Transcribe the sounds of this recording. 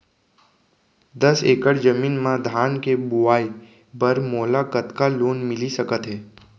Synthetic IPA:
d̪əseːkəɽd͡ʒəmiːnmãd̪ʱaːnkebʊʋaːi | bəɾmoːlakət̪kaloːnmɪlisəkət̪ɦɛː

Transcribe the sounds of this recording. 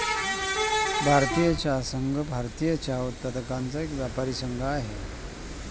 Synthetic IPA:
bʱaɾt̪ijət͡ɕjasəŋɡʱəbʱaɾt̪ijət͡ɕjaut̪ːəɾəkãnt͡saekʋjapaɾisəŋɡʱəaɦḛ

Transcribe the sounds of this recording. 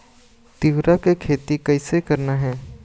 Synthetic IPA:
t̪ɪʋɾakekʰeːt̪ikɐɪsekɐɾnaɦɛː

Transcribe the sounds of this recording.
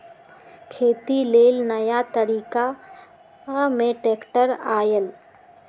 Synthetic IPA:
kʰeːt̪ileːlnəjat̪əɾiːka | mẽʈeːkʈəɾaːjəl

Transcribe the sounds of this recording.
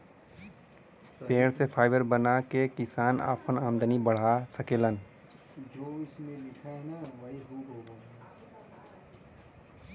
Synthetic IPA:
peːɽsepʰaːɪbəɾbənakekɪsaːna̰ːpənaːmd̪ənibəɽ̤asəkeːlən | d͡ʒoːɪsmẽlɪkʰaenaʋɐɦiɦoːɡoːɡaː

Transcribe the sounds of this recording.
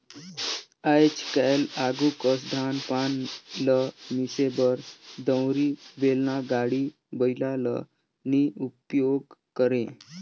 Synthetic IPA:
ajt͡ɕkajlaɡukəsd̪ʱanpanləmisebəɾd̪ə̃wɾiʋelnaɡaɽi | bəjlalə̰ | niupjoɡkəɾẽ

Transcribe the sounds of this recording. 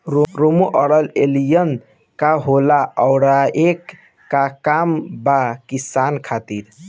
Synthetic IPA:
ɾomoʔəɾəlelijən | kaɦolaəʊɽaekː | akambakisankʰat̪iɾ

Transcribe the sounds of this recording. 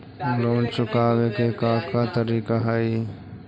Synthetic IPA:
loːnt͡ʃʊkaːʋekekakat̪əɾiːkaɦəj

